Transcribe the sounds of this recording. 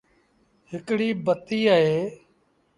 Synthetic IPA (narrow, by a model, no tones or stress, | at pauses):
ɦɪkɽiːbət̪iːaːɦeː